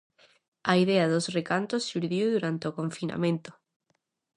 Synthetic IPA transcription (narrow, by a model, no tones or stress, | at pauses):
aiðeaðosrekant̪osːuɾðiwðuɾant̪eokõɱfina̰mẽnt̪o̥